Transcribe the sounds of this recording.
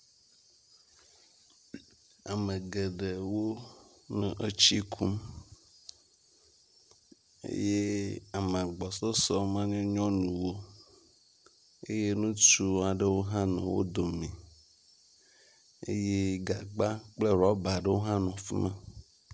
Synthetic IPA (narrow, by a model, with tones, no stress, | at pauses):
a˨mẽ˨ɡe˨ɖe˨wo˦nɛ̃˨ʔe˦t͡ɕi˦kʰu˦m | ḛ˦je˦a˨mã˨ɡ͡bɔ˨sɔ˦sɔ˦mã˦nɛ̃˦ɲɔ̃˦nũ˨wo˦ | ḛ˦je˦nũ˦t͡ʃu˦a˨ɖe˦wo˦ɦã˦nɛ̃˨wo̰˦d̪o˨mĩ˨ | ḛ˦je˦ɡa˨ɡ͡ba˦k͡ple˦ɾɔ˦ba˨ɖe˦wo˦ɦã˦nɔ̃˨fi˦mã̰˦